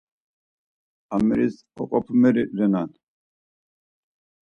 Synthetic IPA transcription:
ameɾis | ɔ̰kʼɔpmeɾiɾɛnan

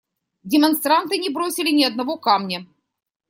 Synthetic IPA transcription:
dʲɪmɐnst̪ɾant̪ɨnʲɪbɾosʲɪlʲɪnʲɪɐd̪nɐvo̞kamnʲɐ

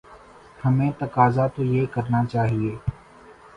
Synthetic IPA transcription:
həmẽːt̪əkaːzaːt̪oːjeːkəɾnaːt͡ʃaːɦieː

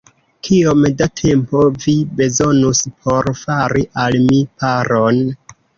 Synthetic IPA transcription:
kʰiomdatʰe̞mpo̞vibe̞zo̞nuspʰo̞ɾfaɾiʔalmipaɾo̞n

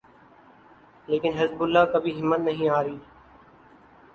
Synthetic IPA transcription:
leːkɪnɦɪzbʊlːãːkəbʱiːɦɪmːət̪nəɦĩːaːɾiː

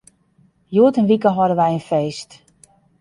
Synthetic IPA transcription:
joːətənʋikəɦɔdənʋɛjənfeːst

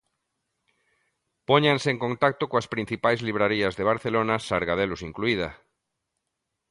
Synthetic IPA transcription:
poɲãnseːŋkõnt̪ak̚t̪okoaspɾin̟θipajzliβ̞ɾaɾiazðeβ̞aɾθelonasaɾɣað̞elosiŋkluið̞a̰

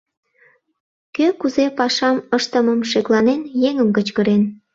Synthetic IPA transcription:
køkuzepɑʃɑməʃt̪əməmʃeklɑnenjeŋəmkət͡ɕkəɾen

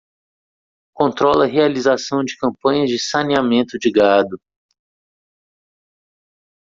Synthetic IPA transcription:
kõnt̪ɾɔlɐɦealizasɐ̃w̃d͡ʒɪkɐ̃mpɐ̃ɲɐzd͡ʒɪsɐniamẽnt̪ʊd͡ʒɪɡad̪ʊ

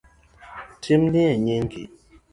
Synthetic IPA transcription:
tʰimniɛɲeŋɡḭ

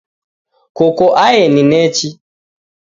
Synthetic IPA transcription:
kɔkɔʔajɛninɛt͡ʃi

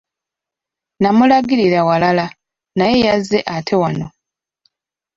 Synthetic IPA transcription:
namulaɡiɾiɾawalala | naje̞jazːe̞ʔatʰe̞wano̞

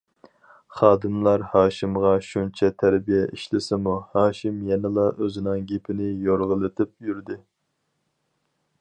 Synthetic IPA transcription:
χɑːd̪ɨmlˠɑɾhɑːʃimʁɑʃunt͡ʃʰɛt̪ʰæɾbijɛʔiʃlɪsɪmuhɑːʃɪmjɛnɪlˠɑʔøzɪnɪŋɡʲepʰɪnɪjoɾʁəlˠɨt̪ʰɪp̚jyɾd̪ɪ

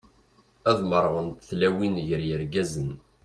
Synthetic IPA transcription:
æðˤməɾˤʁənt̪θlæwinʝəɾjəɾɡæzən

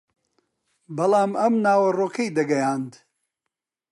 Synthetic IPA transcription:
bɐlˠaːmɐmnaːwɐroːkʰɐjd̪ɐɡɐjaːnd̪

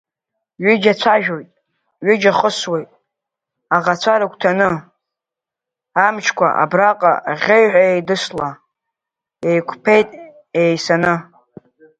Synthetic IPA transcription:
ɥɪd͡ʒat͡ɕʷʰaʒᶣo̞jtʼ | ɥɪd͡ʒaχəswe̞jtʼ | aʁat͡ɕʷʰaɾakʷʰʼtʰanɨ | amt͡ʃʰkʷa̰ʔa̰braqʼa̰ʁʲejħʷᶣaejdɨsla | ejkʷʰpʰe̞jtʼ | ejsanɨ

